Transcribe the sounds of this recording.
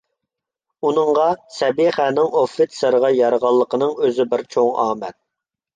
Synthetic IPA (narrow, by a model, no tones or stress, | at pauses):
unəŋʁɑsɛbiχæːnɪŋofːɪt̪səɾʁɑjɑɾʁɑlˠːəqʰənɨŋøzɪbɪɾt͡ʃʰoŋɑ̰ːmɛt̪̚